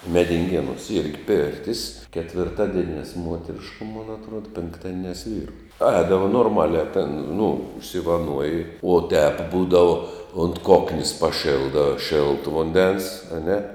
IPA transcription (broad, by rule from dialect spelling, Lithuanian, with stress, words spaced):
mʲɛdʲɪŋʲˈɡʲeːnuɔs ˈɪrʲɡʲɪ ˈpʲeːrʲtʲɪs kʲɛtʲʋʲɪrˈtɑːdʲiɛnʲɛs ˈmuɔtʲɛrʲɪʃkʊ moːn ɐtˈruɔdɐ pʲɪŋkˈtɑːdʲiɛnʲɛs ˈʋʲiːrʊ ˈɛːdɐʋoː noːrˈmɑːlʲæː tʲɛn nʊ ʊʃʲsʲɪʋɐˈnuɔjɪ uɔ tʲɛp ˈbuːdɐʋʊ ʊnt ˈkoːknʲeːs pɐˈʃʲeːlˠdɐ ˈʃʲeːlˠtʊ ˈʋʊnʲdʲɛns ɐˈnʲɛ